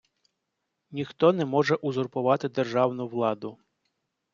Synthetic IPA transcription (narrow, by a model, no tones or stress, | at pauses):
nʲixt̪ɔnɛmɔʒɛʔʊzʊrpʊʋɑt̪ɪd̪erʒɑwnʊʋlˠɑd̪ʊ